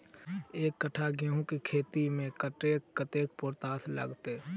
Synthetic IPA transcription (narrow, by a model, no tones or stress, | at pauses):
eːkːəʈʰaɡeɦũkikʰeːt̪imẽkəʈeːkːət̪eːk̚pʊːɾt̪aːt̪ʰlə̰ɡt̪e